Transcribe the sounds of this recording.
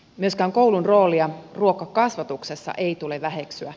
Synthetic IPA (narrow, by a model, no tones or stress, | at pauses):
myøskæːŋko̞wlunro̞ːliɑruo̞kɑkɑsʋɑt̪ukse̞sːɑ̰ʔe̞jt̪uleʋæɦe̞ksyæ